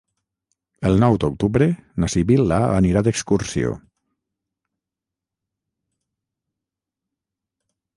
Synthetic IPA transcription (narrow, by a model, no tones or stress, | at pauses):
əlˠnɔwd̪ok̚t̪uβɾenasiβilaa̰niɾad̪əkskuɾsio̰